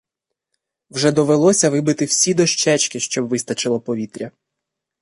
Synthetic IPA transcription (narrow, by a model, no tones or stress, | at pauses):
wʒɛd̪ɔʋelˠɔsʲɐʋɪbɪt̪ɪwsʲid̪ɔʃt͡ʃɛt͡ʃkɪʃt͡ʃɔbʋɪst̪ɐt͡ʃɪlˠɐpɔʋʲit̪ɾʲɐ